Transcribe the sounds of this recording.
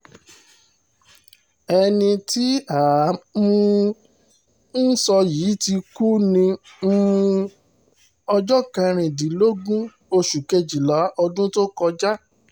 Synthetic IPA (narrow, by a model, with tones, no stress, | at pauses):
ɛ˧nĩ˧ti˨˦aː˨˦mũ˦ | n̩˦sɔ˧jiː˨˦ti˧ku˦nĩ˧˦ | ũ˧ | ɔ˧d͡ʒɔ˦kɛ̃˧ɾ̃ĩ˨di˨˦lo˦ɡũ˦ | o˧ʃu˨ke˧d͡ʒi˨la˨˦ɔ˧dũ˦to˦kɔ˧d͡ʒa˦